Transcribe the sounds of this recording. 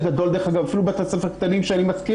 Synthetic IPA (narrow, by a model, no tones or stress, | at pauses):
ɡad̪o̞ld̪exaɡavafilubet̪osefeʁkt̪animʃeenimaski